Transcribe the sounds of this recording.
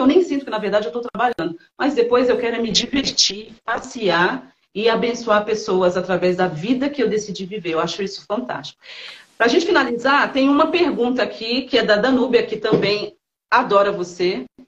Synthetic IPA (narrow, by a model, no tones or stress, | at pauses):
ewnẽj̃sĩt̪ʊkɪnɐveɾd̪ad͡ʒɪewt̪owt̪ɾabaʎɐ̃nd̪ʊmɐzd̪epojzewkɛɾʊmɪd͡ʒiveɾt͡ʃipasiaɾ | ɪabẽsuaɾpesowɐzat̪ɾavɛzd̪ɐvid̪ɐkɪewd̪esid͡ʒiviveɾewaʃʊisʊ̥fɐ̃nt̪a̰st͡ʃi̥kʊ̥pɾɐaʒẽnt͡ʃɪfinalizaɾt̪ẽj̃ʊ̃ũmɐpeɾɡũt̪̬ɐakʰikɪɛd̪ɐd̪ɐ̃nubiɐkɪt̪ɐ̃bẽj̃ | ad̪ɔɾɐvose